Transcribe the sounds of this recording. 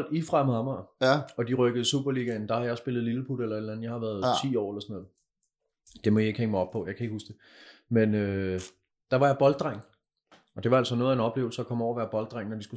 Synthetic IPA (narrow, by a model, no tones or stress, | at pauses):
l̰difʁɑmˠɑmɑɒ̽d̥iʁœɡ̥əð̞̩ˠsṵb̥ɐliːɡ̥ænd̥ɑ̈hɑ̈jɑɪɔsb̥e̝lð̩ˠliləpʰud̥elɐe̝d̥læn̩jɑ̈ɪhɑ̈ʋæɐð̞ˠt͡sʰḭːɒ̰ːelɐsɔnɔ̽ːð̩ˠ | d̥e̝mɒjie̝ɡ̥heŋmɑɒ̽b̥̚pʰɒ̽jɑ̈ɪkʰæe̝ɡ̥husd̥e̝ | menø | d̥ɑ̈ʋɑjɑ̈b̥ɒ̽ld̥̚ʁaŋ̰ | ɒ̽d̥e̝ʋɑ̈ælsɒ̽no̽ːð̩ˠæe̝nɒ̽b̥le̝̰ːʊl̩sɐɒkʰɒ̽mɒʊ̰ɐʋæːɐb̥ɒ̽ld̥ʁaŋnɒd̥isɡ̥u